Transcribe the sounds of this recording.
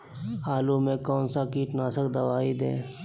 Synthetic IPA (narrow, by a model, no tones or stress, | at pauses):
aːlumẽkɔːnsakiːʈnaːsəkd̪ɐʋaːid̪ḛ̃ː